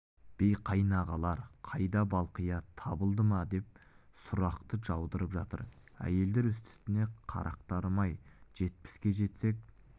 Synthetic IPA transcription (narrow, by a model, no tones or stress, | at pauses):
b̥ejqʰɑjnɑʁɑlˠɑɾqʰɑjd̪ɑbɑlˠqəjɑt̪ʰɑbəlˠd̪əmɑd̪e̞p̚sʊɾɑqt̪əʒɑwd̪əɾəpʒɑt̪ə̰ɾ | æ̰je̞ld̪e̞ɾʏst̪ɪ̥st̪ɪne̞qʰɑ̰ɾʔɑ̰qt̪ɑɾmɑjʒ̥e̞t̪̚pɪ̥skʲe̞ʒe̞t̪se̞k̚